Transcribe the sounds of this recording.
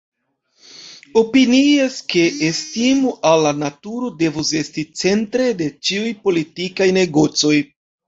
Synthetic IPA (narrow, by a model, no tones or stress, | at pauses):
o̞piniaske̞ʔestimuʔalːanatuɾo̞de̞vuse̞stit͡se̞ntɾe̞de̞t͡ʃiujpo̞litikajne̞ɡo̞t͡so̞j